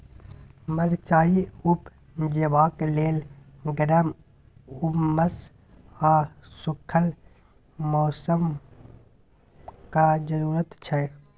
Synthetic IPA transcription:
məɾt͡ʃaːiʊp | d͡ʒebaːkleːl | ɡəɖəm | ʊmːəs | aːsʊkʰəl | mɔːsəm | kad͡ʒəɾuːɾət̪t͡ʃʰɛ

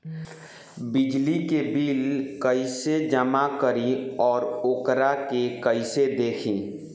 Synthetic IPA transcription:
bɪd͡ʒlikebiːlkəɪsed͡ʒəmakəɾiɔːɾokɾakekəɪsed̪eːkʰĩː

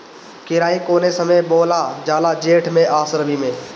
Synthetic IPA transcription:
kɪɾaːĩkoːnesəməboːlad͡ʒaːlad͡ʒeːʈʰmẽʔaːsəɾbʱimẽː

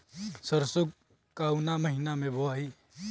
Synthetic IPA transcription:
səɾsʊɡ | kaʊnaməɦɪnamẽboai

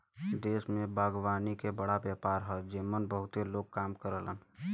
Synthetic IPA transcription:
d̪eːsmẽbaːɡwaːnikebəɽabjəːpaːɾɦɛd͡ʒimənbəɦʊt̪eloːɡ̚kaːmkəɾələn

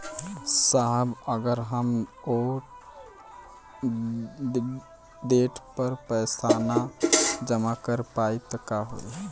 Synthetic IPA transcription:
saɦbəɡəɾɦəmo | ɖ̪eʈpəɾpəjsanad͡ʒəmakəɾpait̪ɔkaɦo̰iɦɛ

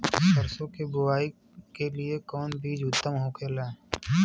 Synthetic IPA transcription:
səɾsõkebʊwaːi | keliekɔːnbiːd͡ʒʊt̪ːəmɦoːkʰeːlaː

